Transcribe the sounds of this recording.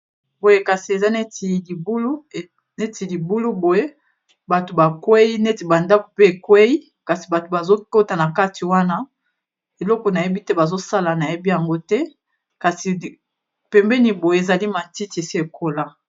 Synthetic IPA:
bo˨je˦ka˨si˨e˨za˦ne˦ti˨li˨bu˦lu˦˨ | ne˦ti˨li˨bu˦lu˦bo˨je˦ | ba˨to˨ba˨kwe˦ji˦ne˦ti˨ba˨nda˦ko˨pe˦e˨kwe˦i˦ | ka˨si˨ba˨to˨ba˨zo˦ko˦ta˨na˨ka˦ti˨wa˦na˦ | e˨lɔ˦kɔ˨na˨je˦bi˦tɛ˦ba˨zo˦sa˦la˨na˨je˦bi˦ja˨ŋɡo˦tɛ˦ | ka˨si˨ | pɛ˨mbɛ˦ni˨bo˨je˨e˨za˨li˦ma˨nti˦ti˨e˨si˦e˨kʰo˦la˦

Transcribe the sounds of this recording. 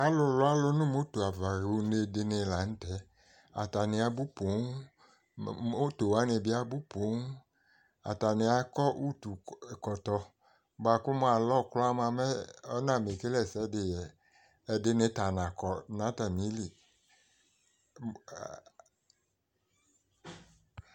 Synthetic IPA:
a˦lʊ˧lʊ˦a˦lʊ˦nʊ̃˦mo˦to˨a˨va˨ɾu˨˧ne˧dɪ˧nɪ˧la˨n̩˦tɛ˦ | a̰˨ta˨nɪ˧a˨bu˦po˨˦ŋ˦ | o˦to˨wa˨˦ne˧˨bɪ˦a˦bu˦po˨˦ŋ˦ | a̰˨ta˨nɪ˧a˨kɔ˦ʔu˦tu˨kɔ˨tɔ˧ | ba˨kʊ˦m˦a˨lɔ˦kla˦ma˧mɛ˦ɔ˦nã˨me˨ke˦lɛ˨sɛ˦dɪ˨jɛ˨ | ɛ˨dɪ˦nɪ˦ta˨nã˨kɔ˨nã˨˦ta˨mi˦li˨

